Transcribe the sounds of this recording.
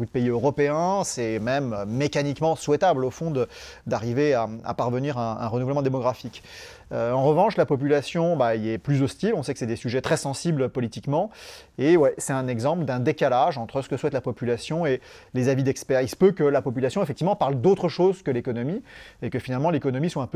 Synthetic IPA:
kud̪əpeiøʁɔpeɛ̃sɛmɛmøːekanikmɑ̃swɛt̪ablofɔ̃d̪ə | d̪aʁiveaa̰paʁvəniʁɛ̃ɛ̰̃ʁənuvɛləmɑ̃d̪emɔɡʁafik | øɑ̃ʁəvɑ̃ʃlapɔp̬ylasjɔ̃bailɛplyzɔst̪ilɔ̃sɛkəsɛd̪esyʒɛt̪χɛsɑ̃siblpɔlit̪ikmɑ̃ | ewɛsɛt̪ɛ̃nɛɡzɑ̃pləd̪ɛ̃d̪ekalaʒɑ̃t̪χəsə̥kəswɛt̪lapɔpylasjɔ̃elezavid̪ɛkspɛʁisə̥pøkəlapɔp̬ylasjɔ̃ɛefɛk̚t̪ivmɑ̃paʁld̪ot̪χəʃozkəlekɔnɔmiekəfinalmɑ̃lekɔnɔmiswaɛ̃pø

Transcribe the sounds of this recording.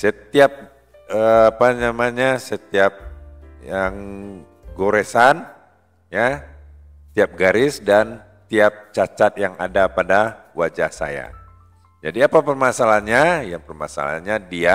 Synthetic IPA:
sət̪iap̚ | əapanamaɲasət̪iap̚jaŋ | ɡoɾesan | ja | t̪iap̚ɡaɾɪsdan | t̪iap̚t͡ʃat͡ʃat̪̚jaŋa̰dapadawad͡ʒahsa̰ja̰ | d͡ʒadiapapərmasalahɲajaŋpərma̰sa̰la̰ɲadia

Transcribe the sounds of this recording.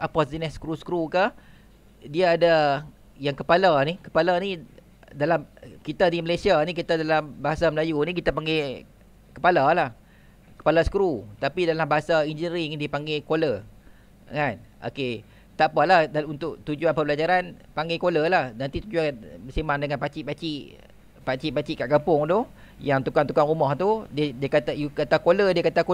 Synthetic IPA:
ʔapazənɛsə̥kɾusə̥kɾuka | diaːda | jaŋkəpalanikə̥palani | dalamkit̪adiməlesianikit̪adalambaɦasaməlajunik̬it̪apaŋɡe | kəpalalah | kə̥palasə̥kɾut̪apidalambaɦasaind͡ʒənəɾiŋdipaŋɡekolə | ŋanʔo̰ke | t̪apalahdaunt̪ʊʔt̪ud͡ʒuanpəbəlad͡ʒaɾan | paŋɡekoləlahnant̪it̪ud͡ʒuanbəsimandəŋanpat͡ʃiʔpat͡ʃiʔ | pat͡ʃiʔpat͡ʃiʔkaʔkampʊŋd̪ʊh | jaŋt̪ukant̪ukaŋumɔht̪uddiəkat̪ajukat̪akolədiəkat̪ako

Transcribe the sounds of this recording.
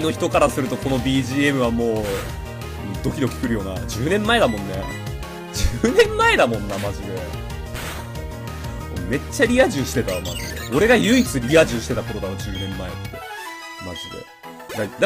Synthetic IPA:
ino̞çi̥t̪o̞kaɾasɨɾɯ̟t̪o̞ko̞no̞bʲiːʑiːe̞mɯ̟βamo̞ː | d̪o̞kʲid̪o̞kʲi̥kɯ̟ɾɯ̟jo̞ːnad͡ʑɨːnẽ̞mːae̞d̪amõ̞nːe̞ | d͡ʑɨːnẽ̞mːae̞d̪amõ̞nːamaʑid̪e̞ | mome̞t͡ɕːaɾʲiaʑɨ̃ɰɕi̥t̪e̞t̪ama̰ʑid̪e̞̰o̞ɾe̞ɡajɯ̟it͡sɨɾʲiaʑɨ̃ɕi̥t̪e̞t̪ako̞ɾo̞d̪aod͡ʑɨːnẽ̞mːae̞̰t̪ːe̞ | ma̰ʑid̪e̞̰ | d̪ad̪

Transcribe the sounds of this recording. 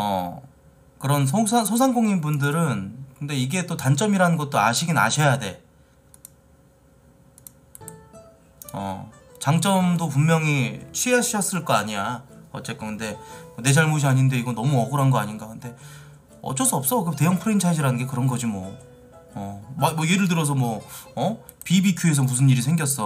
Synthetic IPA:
ʌ̰ | kɯɾʌns̬ʰosʰasʰosʰaŋɡoŋinbundɯɾɯnkɯnde̞iɡe̞t͈otant͡ɕ͈ʌmiɾanɯnɡʌt̚t͈oaɕʰiɡina̰ɕʰejade̞ | ʌ̰ | t͡ɕaŋt͡ɕ͈ʌmdopumːjʌŋit͡ɕʰɥiaɕʰuɕʰʌs͈ɯɭk͈ʌaɲiaʌ̰t͡ɕ͈e̞k͈ʌkɯnde̞mʌne̞d͡ʑaɭmoɕ̬ʰiaɲinde̞iɡʌnʌmuʌɡɯɾɦanɡʌaɲinɡakɯnde̞ | ʌ̰t͡ɕ͈ʌs͈uʌps͈ʌkɯte̞jʌŋpʰɯɾeint͡ɕʰad͡ʑiɾanɯnɡe̞kɯɾʌnɡʌd͡ʑimwʌː | mamʌje̞ɾɯɭt̬ɯɾʌs̬ʰʌmwʌʌ | pibikʰjue̞s̬ʰʌmusʰɯnːiɾisʰeŋɡʲjʌs͈ʌ

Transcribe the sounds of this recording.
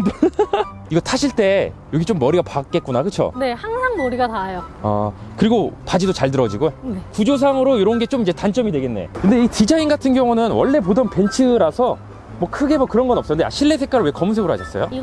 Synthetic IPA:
iɡʌtʰaɕʰiɭt͈e̞joɡit͡ɕomːʌɾiɡapak̚k͈e̞t̚k͈unakɯt͡ɕʰo̰ne̞haŋsʰaŋmʌɾiɡatajoa̰ | kɯɾiɡopad͡ʑidot͡ɕaɭdɯɾʌd͡ʑiɡopud͡ʑos̬ʰaŋɯɾoiɾʌnɡe̞t͡ɕ͈omid͡ʑe̞tant͡ɕ͈ʌmidwe̞ɡe̞nːe̞̰kɯnde̞itid͡ʑainɡatʰɯnɡjʌŋunɯnwʌ̰ɭːe̞p̬odʌnpe̞nt͡ɕʰɯɾasʰʌ | mwʌkʰɯɡe̞mʌkɯɾʌnɡʌnʌp̚s͈ʌɯndea̰ɕʰiɭːe̞sʰe̞k͈aɾɯɭwekʌmuns̬ʰeɡɯɾha̰ɕʰʌs͈ʌjo̰

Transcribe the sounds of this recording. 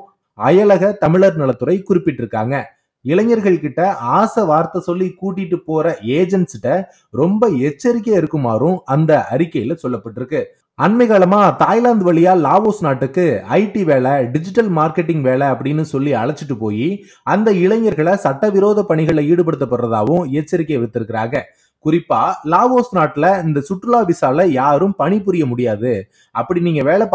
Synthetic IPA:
ɐjɐlɐɣɐt̪ɐmɪɭɐɾnɐɭɐt̪ːɯɾɐɪkʊɾɪpːɪʈːɪɾɯkːa̰ːŋɡɐ | ɪɭɐɲːɐɾɣɐɭkɪʈːɐʔaːsɐʋaːɾt̪ɐsɔlːikuːʈ̬ːɪʈːɯpoːɾɐeːd͡ʒɐnsɪʈːɐ | ɾɔmbɐɛt͡ʃːɐɾɪk̬ːɐɛɾɯkːɯmaːɾɯ̃ɐnd̪ɐʔɐɾɪkːɐjɪlɐsɔlːɐpːɐʈːɪɾɯkːɯ | ɐnmɐɪɣaːɭɐmaːt̪aːjlaːnd̪ʋɐɭɪjaːaːʋoːsnaːʈːɯkːɯɐɪʈːiʋeːɭɐɖɪd͡ʒɪʈːɐlmaːɾkɛʈːɪŋɡʋeːɭɐɐpːɐɽɪnːɯsɔlːiɐɭɐt͡ʃːɯʈːɯpoːji | ɐnd̪ɐɪɭɐɲɐɾɣɐɭɐsɐʈːɐʋɪɾoːðɐpɐɳɪɣɐɭiːɽɯp̬ɐɽɯt̪̬ːɐpːɐrrɐða̰ːʋɯ̃ɛt͡ʃːɐɾɪkːeɛʋɐt̪ːɪɾɯkːɪɾaːɣɐ | kʊɾɪpːaːlaːʋoːsnaːʈːɪlɐɪnd̪ɐsʊʈːɾɯlaːʋɪsaːlɐjaːɾɯmpɐɳɪp̬ːʊɾɪjɐmʊɽɪjaːðɯ | ɐpːɐɽiniːŋɡɐʋeːɭɐp

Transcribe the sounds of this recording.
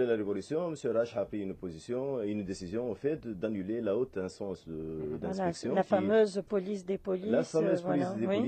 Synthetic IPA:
elaɾevɔlysjɔ̃məsjøɾaʃapχiynopozisjɔ̃eynd̪esizjɔ̃ɔfɛt̪d̪anylelaot̪ɛ̃sɑ̃səd̪ɛ̃sɛksjɔ̃afamøzpɔlisd̪epolilafamøzvpolisd̪ei

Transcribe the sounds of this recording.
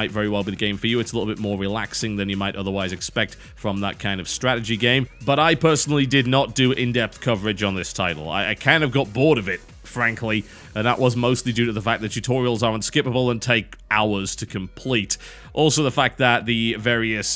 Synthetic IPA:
aɪtvɛɹiwɛlˠbiðɨɡẽɪ̃ɱfə˞jɨɨtsəlɪɾl̩ˠbɪt̚mɔɹɹɨlæksɪ̃ŋðɨ̃njɨmaɪɾʔʌðə˞waɪzɨkspɛk̚t | fɹʌ̃mðə̰t̚kʰãɪ̃ndʌv̥stɹ̥æɾɨd͡ʒiɡẽɪ̃mbʌɾaɪpʰɜ˞sn̩l̩ˠidɨdⁿnət̚d̥ɨɪ̃ndɛp̚θkʰʌvə˞ɨd͡ʒn̩ðɪstʰaɪɾl̩ˠa̰ɪaɪkʰãɪ̃ndɨvɡɑt̚b̥ɔɹɾʌvɪt̚ | fɹæ̃ŋkʰli | ə̃nðə̰ʔwʔʌzmoʊstˡlidʉɾɨðəfæk̚ðɨt̚ʰʉtʰɔɹil̩ˠzə˞ə̃nskɪpəbəlˠə̃ntʰeɪkʔaʊə˞z̥tʰɨkʰɨ̃mpʰl̥it | ʔɔlˠsoʊðəfæk̚ðət̪̚ðɨvɛɹiɨs

